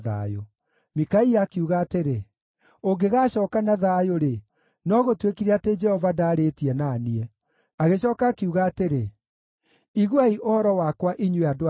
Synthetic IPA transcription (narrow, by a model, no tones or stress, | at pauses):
ða̰jo | mikaiakiuɣaːteɾe | oɡeɣaːɕɔːkanaðajoɾe | nɔɣotwekiɾeated͡ʒɛhɔvadaːɾetiɛnaniɛ | aɣeɕɔːkaːkiuɣaːteɾe | iɣwaiʔohɔɾɔwakwaʔiɲweado